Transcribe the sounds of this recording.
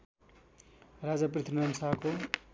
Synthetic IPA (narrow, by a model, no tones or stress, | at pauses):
rad͡zaprit̪ʰinʌnsako